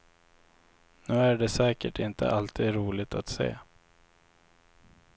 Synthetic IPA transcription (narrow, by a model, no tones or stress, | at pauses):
nʉ̟ːæɖɛsɛːkəʈɪnt̪ʰə̰ʔalt̪ʰiːd̪ɾuːlɪɡ̚t̪ʰat̪sḛː